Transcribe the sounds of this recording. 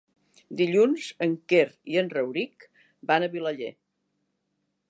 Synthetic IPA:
d̪iʎunzəŋkeɾiənrəwɾik | banəβiləʎḛ

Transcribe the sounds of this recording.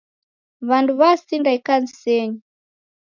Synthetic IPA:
βanduβasindaikanisɛɲi

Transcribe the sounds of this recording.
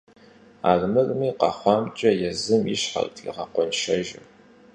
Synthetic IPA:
a̰ːɮmɨrmiːqɑχʷɑːmt͡ʃʼɐjɛzɨmiɕħa̰ltʰḭʁɐqʷɔnʃɐʒɐ

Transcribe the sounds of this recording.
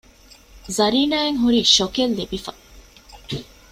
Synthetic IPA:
zɐɾiːnaːeŋɦuɾiʃokelːibifɐ

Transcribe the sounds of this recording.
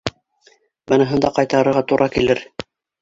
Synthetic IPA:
bɤ̆nɤ̆ɦɤ̆nd̪ɑqɑjt̪ɑɾɤ̆ɾʁɑt̪uɾʔɑkilɘɾ

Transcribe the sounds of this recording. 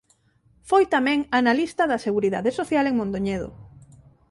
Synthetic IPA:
fojt̪amɛ̃ŋanalist̪ɐðɐseɣuɾiða̰ðesoθjaleŋmõnd̪oɲeð̞o̰

